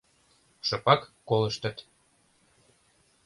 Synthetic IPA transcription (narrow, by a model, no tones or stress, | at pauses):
ʃɤpɑkːolə̆ʃt̪ə̆t̪